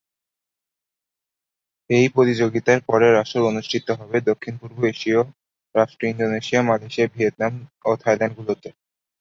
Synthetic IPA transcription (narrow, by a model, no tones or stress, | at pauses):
ejpɾot̪id͡ʑoɡit̪aɾpɔɾeɾaʃɾoɾonuʃʈʰit̪ːoɦɔbed̪okʰːinpuɾboeʃio | ɾaʃʈɾoind̪oneʃiamaleʃiabʱiet̪̚namot̪ʰajlanɖɡulot̪e